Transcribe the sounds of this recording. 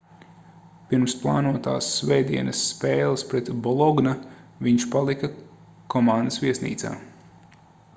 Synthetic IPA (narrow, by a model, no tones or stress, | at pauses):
piɾmsplˠa̰ːnuɔt̪a̰ːsːvɛːd̪iɛnɐsːpɛːlˠɐspɾɛt̪bɔlˠɔɡnaviɲʃpalˠikɐ | kʰɔmand̪əsviɛsnḭːt̪sa̰ː